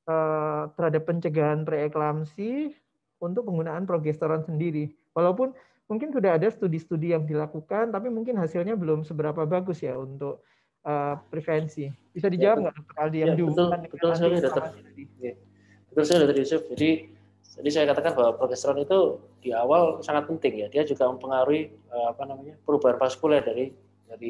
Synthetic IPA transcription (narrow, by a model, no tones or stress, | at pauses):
ʔəːt̪əɾɦadapːəɲt͡ʃəɡaanpɾeːklamsi | unt̪ʊk̚pəŋɡunaanpɾoɡɛst̪oɾansəndiɾi | walaupʊn | muŋkɪnsudaɦːdasət̪udist̪udijaŋdilakukant̪apimuŋkɪnɦasilɲabəlʊmsəbəɾapabaɡʊsjaunt̪ʊk̚ | ʔəːpɾifɛnsib̥isadid͡ʒawap̚ɡaʔsap̚t̪uk̚alijaŋdiət̪ʊlanbəʊlsəkalidat̪əadia | b̥ət̪ʊlskalidat̪ərjusʊp̚d͡ʒadi | adisajakat̪akanbawapɾofɛst̪oɾanit̪u | d̥iawalsaŋat̪̚pənt̪ɪŋjadiad͡ʒuɡaməmpəŋaɾuiəapanamaɲapəɾubaɦanpaskulɛdaɾi | daɾi